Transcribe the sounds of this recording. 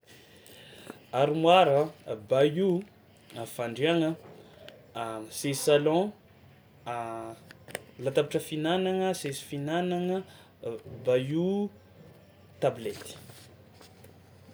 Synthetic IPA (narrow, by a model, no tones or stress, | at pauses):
aɾimwaɾəbaju | afaɳɖ͡ʐeaŋə | sesalɔ̃ | lat̪apaʈ͡ʂəfinanaŋəsesi̥finanaŋə | baju | t̪ablet̪i̥